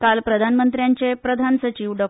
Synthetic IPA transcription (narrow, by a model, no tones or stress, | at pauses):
kalpɾəd̪ʱanmənt̪ɾjaɲt͡ɕepɾəd̪ʱansət͡ɕiːʋɖɔ